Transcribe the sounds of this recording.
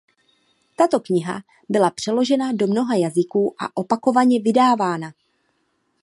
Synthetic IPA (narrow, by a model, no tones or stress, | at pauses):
t̪at̪o̞kɲɪɦa̰ | bɪlapr̝̥ɛlo̞ʒɛnado̞mno̞ɦajazɪkuːʔa̰ʔo̞pako̞vaɲɛvɪdaːvaːna